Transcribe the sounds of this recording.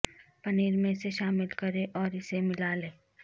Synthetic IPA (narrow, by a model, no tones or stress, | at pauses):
pɐniːɾmẽseʃaːmɪlkɐɾeʔɔːɾɪsemɪlaːlẽː